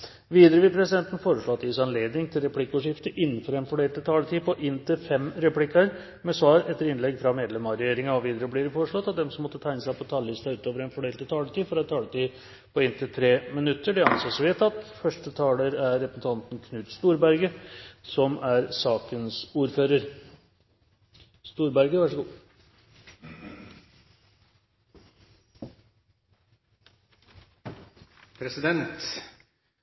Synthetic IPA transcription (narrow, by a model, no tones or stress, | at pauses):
ʋiːd̪əɾəʋɪpʰɾɛsɪd̪ɛnt̪ən̩foːɾəʂɭoːɑt̪ːʋɪsɑnleːd̪nɪŋt̪ʰɪlɾɛpʰlɪkːəuːʂɪft̪əʔɪnːənfɔɾɛnfɔɖeːlt̪ət̪ʰɑːlət̪ʰiːpɔʔɪnːt̪ʰɪlfɛmɾɛpʰlɪkːɑɾ | mɛsʋɑːɾɛt̪ːəɾɪnlɛɡfɾɑmeːd̪lɛmɑɾɛjeːɾɪŋɑɔʋiːd̪əɾəblɪːɾfoːɾəʂɭɔt̪ːɑt̪̚d̪ɛmsɔmːɔt̪ːət̪ʰæɪnəsæɪpʰɔt̪ʰɑːlɪst̪ɑʉːt̪oːʋəɾɛnfɔɖeːlt̪ət̪ʰɑːləʈ̪iːfɔɾɑt̪ʰɑːlət̪iː | pʰɔɪnt̪ʰɪlt̪ʰɾeːmɪnʉt̪ːəɖɛɑnsɔsɔʋɛt̪ʰːɑt̪ːfœʂʈət̪ʰɑːləɾæɾːɛpɾəsn̩t̪ʰɑnt̪nkʰnʉːt̪st̪uːɾbæɾɡəsɔmʔæɾsɑːkənsuːɾføːɾəɾ | st̪uːɾbæɾɡəʋæʂəɡuː | pʰɾɛsɪd̪ɛnt̪